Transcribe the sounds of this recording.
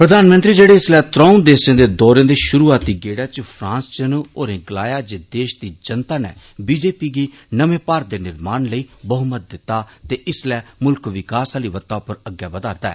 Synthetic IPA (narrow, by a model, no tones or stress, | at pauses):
pɾəd̪aːnmə̃nt̪ɾiːd͡ʒeːɽeːɪslɛːt̪ɾãːũnd̪eːsẽːd̪eːd̪ɔːɾẽːd̪eːʃʊɾuːaːt̪iːɡeːɽaːt͡ʃpʰɾãːst͡ʃənuːoːɾẽːɡlaːjaːd͡ʒeːd̪eːʃd̪iːd͡ʒənt̪aːnḛː | biːd͡ʒeːpiːɡiːnəmẽːpaːɾ̚d̪eːnɪɾmaːnləiːbəɦʊmət̪̚d̪ɪt̪ːaːt̪eːʔɪslɛːmʊlkʋɪkaːsaːliːʋət̪ːaːpəɾəɡːjaːbəd̪aːɾd̪aɛ̰ː